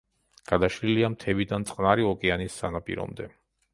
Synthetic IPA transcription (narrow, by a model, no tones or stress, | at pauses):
ɡ̥ad̪aʃɾiliamt̪ʰɛvid̪ant̪sʼqʼnaɾiɔkʼɛanisːanapʼḭɾɔ̰md̪ɛ